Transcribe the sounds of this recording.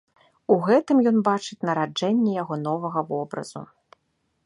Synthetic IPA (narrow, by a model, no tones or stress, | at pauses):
uɣɛt̪ɨmjɔnbat͡ʂɨt͡sʲnɐɾad͡ʐɛnʲːɛjaɣɔn̪ɔvɐɣɐvɔbɾɐ̰zṵ